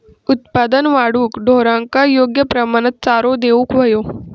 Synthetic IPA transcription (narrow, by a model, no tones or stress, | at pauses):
ʊt̪paːd̪ənʋaːɽuːkɖʱoːɾãkajoːɡjəpɾɐmaːnət̪̚t͡saːɾod̪eːʋũkʋɐjoː